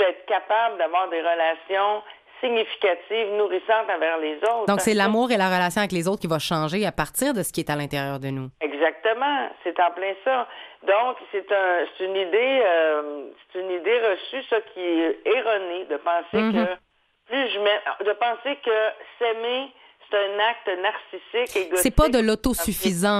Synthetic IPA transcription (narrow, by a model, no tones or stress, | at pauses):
ɛːt̪χkʲapabləd̪avwaːʁd̪eʁəlasjɔ̃ | siɲifi̥kʲat̪ivnuʁisɑ̃t̪avɛklezoʊt̪d̪ɔ̃ksɛlamuːʁelaʁəlasjɔ̃avɛk̬lezoʊt̪χkʲivaʃɑ̃ʒeapaʁt̪t͡siːʁd̪əsə̥kʲiɛt̪alɛ̃t̪eʁjœːʁd̪ənuɛɡzak̚t̪əmɑ̃set̪ɑ̃plɛ̃sʌd̪ɔ̃kset̪ə̃se̥t̪ynid̪eøse̥t̪ynid̪eʁəsysʌkʲʰiɛːʁɔned̪əpɑ̃sek | plyʒmɛd̪əpɑ̃sekəsɛme | se̥t̪ɛ̃nak̚t̪naʁsisɪkeɡssɛpad̪əlot̪osyfizɑ̃